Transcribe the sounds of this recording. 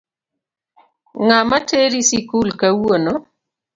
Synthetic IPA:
ŋamateɾisikulkawwono

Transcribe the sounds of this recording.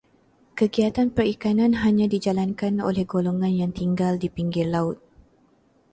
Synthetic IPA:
kəɡiat̪anpərikanãnɦaɲãdid͡ʒalankano̰lɛhɡoloŋãnjaŋt̪iŋɡaldipiŋɡɪrlaʊt̪̚

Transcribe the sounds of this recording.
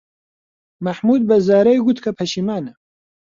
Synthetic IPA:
mɐħmuːd̪̚bɐzaːɾɐjɡut̪kʰɐpʰɐʃimaːnɐ

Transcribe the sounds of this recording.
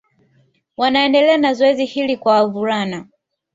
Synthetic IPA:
wanaɛndɛlɛanazɔɛzihilikwawavuɾana

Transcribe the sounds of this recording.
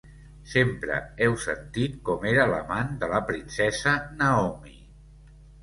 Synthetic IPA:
sempɾə̰ɛwsə̰nt̪it̪̚kɔmeɾələ̰mand̪ələpɾinsɛzənəɔmi

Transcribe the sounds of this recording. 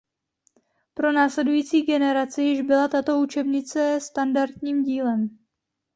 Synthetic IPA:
pɾo̞naːslɛdujiːt͡siːɡɛnɛɾat͡sɪjɪʒbɪlat̪at̪o̞ut͡ʃɛbɲɪt͡sɛst̪andaɾt̪ɲiːmɟiːlɛm

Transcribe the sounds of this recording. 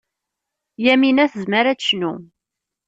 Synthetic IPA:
jæminæθəzməɾæʃnṵ

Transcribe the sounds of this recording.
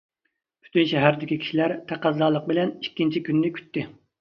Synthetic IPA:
pʰy̥t̪ynʃɛɦæɾd̪ɪkʲikʲi̥ʃilæɾt̪ʰæqæzːɑːlˠəq̚bɪlɛnikʲːint͡ʃʰikʲynːɪkʲʰy̥t̪ːɪ

